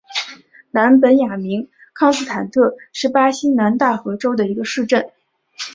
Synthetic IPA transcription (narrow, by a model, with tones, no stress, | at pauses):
na˧˥npə˧˥nja˨˩mi˧˥ŋ | kʰɑ˥˧ŋsɹ̩˥˩t̪ʰa˨˩nt̪ʰɤ˥˧ʂɻ̩˥˩pa˥ɕi˥na˧˥nt̪a˥˩xɤ˧˥ʈ͡ʂo˥ʊd̪ə˨i˧˥ɡə˧ʂɻ̩˥˧ʈ͡ʂə˥˩n